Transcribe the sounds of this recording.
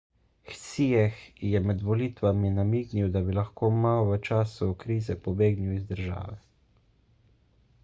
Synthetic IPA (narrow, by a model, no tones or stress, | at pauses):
xsijɛxjɛmɛd̪ʋɔliːt̪ʋaminamiːɡniwd̪abilaxkoːmaɔʋət͡ʃaːsuɔkɾiːzɛpɔbeːɡniwizd̪əɾʒa̰ːʋɛ